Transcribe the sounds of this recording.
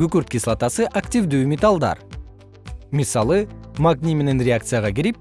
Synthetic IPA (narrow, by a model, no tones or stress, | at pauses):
ɡʲʏkʲʏɾt̪̚kʲislˠɑt̪ɑsəʔakt̪ʲivd̪ewmʲet̪alˠd̪ɑ̰ɾ | misɑlˠəmaɡnʲimʲenenɾʲeak̚t̪sɨjaʁɑkʲʰeɾep̚